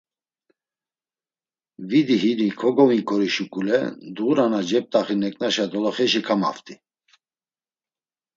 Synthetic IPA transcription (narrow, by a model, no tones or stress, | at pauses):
vid̪iɦinikʰɔɡɔvikʼɔɾiʃukʼulɛd̪uɾanad͡ʒɛp̚t̪ʼaχinɛkʼnaʃad̪ɔlɔχɛʃikʰama̰ft̪ʼi